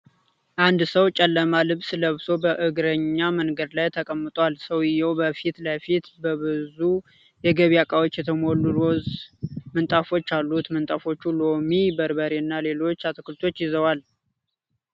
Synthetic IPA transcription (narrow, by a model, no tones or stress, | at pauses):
ʔand̪səwt͡ʃʼɛlːəmalɨβsləβso̞bəʔɨɡɾəɲːamənɡəd̪lajt̪ʰəkʼəmːɨt̪ʼwalsəwɪjːɛwbəfit̪lafit̪bəβɨzu | jɛɡəβijakʼawot͡ʃːjɛt̪ʰəmolːulozmɨnt̪ʼafo̞t͡ʃːalːut̪mɨnt̪ʼafo̞t͡ʃːulomibəɾbəɾenːale̞lo̞t͡ʃːat̪ʰɨkʰɨlt̪ʰo̞t͡ʃːjɪzəwal